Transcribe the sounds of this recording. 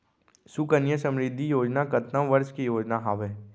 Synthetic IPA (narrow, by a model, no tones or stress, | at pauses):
sʊkənjəsə̃mɾɪd̪ʱːijoːd͡ʒnakɐt̪nãʋəɾʃkijoːd͡ʒnaɦaːʋeː